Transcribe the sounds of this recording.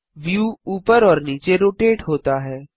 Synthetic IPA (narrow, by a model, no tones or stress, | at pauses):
ʋjuːuːpəɾɔːɾniːt͡ʃeɾoːʈeːʈɦoːt̪aɦɛː